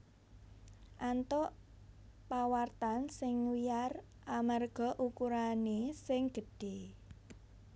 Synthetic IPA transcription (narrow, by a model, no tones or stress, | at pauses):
ʔant̪ɔʔ | pawart̪ansɪŋwijar | ʔamarɡ̥ɔ̤ʔukuɾanesɪŋɡ̥ə̤ɖ̥e